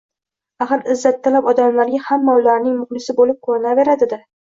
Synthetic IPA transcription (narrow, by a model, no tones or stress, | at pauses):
aχɨɾɪzːat̪ʰːɪlapɒd̪amlaɾɡʲahamːaʊlaɾnɪŋmʊχlɪsɪbolɪp̚kʰɵɾɪnave̞ɾad̪ɪd̪ɪ